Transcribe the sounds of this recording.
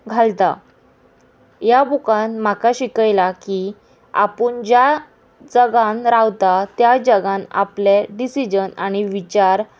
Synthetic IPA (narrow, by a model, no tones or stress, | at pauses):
ɡʱalt̪a | jabukanmakaɕikəjlaki | a̰pəɳd͡ʑja | d͡zəɡãnɾawt̪at̪jad͡ʑəɡãna̰pleɖisid͡ʑənaɽ̃iʋit͡ɕaɾ